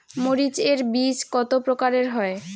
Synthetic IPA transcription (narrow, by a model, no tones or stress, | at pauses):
moɾit͡ɕeɾbiskɔt̪opɾokaɾeɾɦɔe